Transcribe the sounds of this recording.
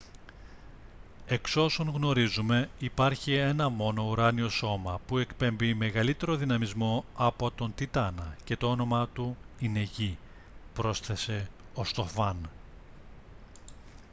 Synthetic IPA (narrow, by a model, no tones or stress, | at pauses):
e̞kso̞soŋɣno̞ɾizume̞ipɐɾçie̞nɐmo̞no̞uɾɐnio̞so̞mɐpue̞kpe̞mbime̞ɣɐlit̪e̞ɾo̞ðinɐmizmo̞ɐpo̞t̪o̞nt̪it̪ɐnɐce̞t̪o̞ono̞mɐt̪uine̞ʝi | pɾo̞sθe̞se̞ | ost̪ofɐn